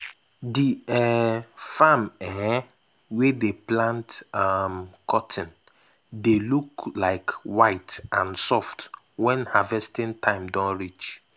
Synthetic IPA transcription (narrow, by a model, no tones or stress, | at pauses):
diɛfamɛɛ | wedeplãntamkʰɔtʰɪ̃n | deluklaɪkwaɪtãnsɔft | wɛ̃nhavɛstĩntʰãɪ̃mdɔ̃nɹit͡ʃ